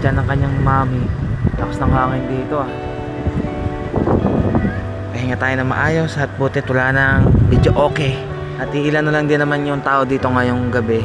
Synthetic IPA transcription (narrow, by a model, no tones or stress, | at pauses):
d͡ʒanɐŋkɐɲːaŋmaːmɪt̪aːposnɐŋkaŋɪnd̪iːt̪o̞ʔa | kɐhaŋat̪aːjonɐmɐ̰ʔaːjo̞sɐt̪̚buːt̪ɛt̪wɐlanɐŋbid͡ʒoʔo̞ːkɛ | ʔɐt̪̚iʔɪlanʊlaŋd̪ɪnːɐmanjʊŋt̪aːʔo̞d̪iːt̪o̞ŋajoŋɡɐbɛ